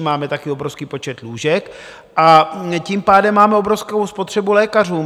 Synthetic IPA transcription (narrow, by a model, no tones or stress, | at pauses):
maːmɛt̪akiobɾofskiːpo̞t͡ʃɛt̪luːʒɛk | ʔacimpaːdɛmːaːmɛobɾofskowspot̪r̝̥ɛbulɛːkar̝uːm